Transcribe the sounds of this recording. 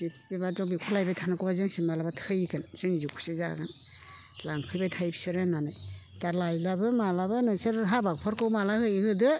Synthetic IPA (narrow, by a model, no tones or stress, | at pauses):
bipbibazɔbikʰulajbajtʰanakʰɯbazɯŋsiŋmalabatʰɯjkɯnsɯŋizikʰu̥sɯza̰ɡɯn | laŋpʰɯjbajtʰajbʰi̥sɯɾenanɯj | taɾlajlabɯmalabɯnɯsɯɾɦabak̚pʰɔɾkɯwmalahɯjhɯdɯ